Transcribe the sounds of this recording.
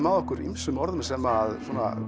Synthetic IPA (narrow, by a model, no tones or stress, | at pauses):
maðɔkʏɾḭmsʏmɔɾðəmsɛmaðsuonːa